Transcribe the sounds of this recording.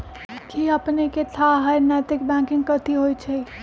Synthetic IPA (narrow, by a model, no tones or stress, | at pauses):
kʰiəpnekeʈʰaɦəjnɛt̪ɪk̚bɛ̃kɪ̃ŋɡkət̪iɦojt͡ʃʰɛ